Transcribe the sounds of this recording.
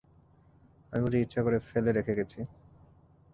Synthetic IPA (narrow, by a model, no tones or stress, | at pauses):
amibud͡ʑeitːɕʰakoɾefeleɾekʰeɡet͡ɕʰi